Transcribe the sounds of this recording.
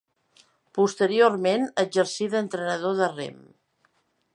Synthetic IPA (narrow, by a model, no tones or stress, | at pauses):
pust̪əɾioɾmenəd͡ʒəɾsiðənt̪ɾənəð̞oðərḛm